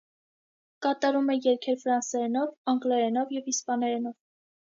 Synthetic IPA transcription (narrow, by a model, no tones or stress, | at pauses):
kɑt̪ɑɾumɛjɛɾkʰɛɾfɾɑnsɛɾɛnɔvɑŋɡlɛɾɛnɔvjɛvispɑnɛɾɛnɔv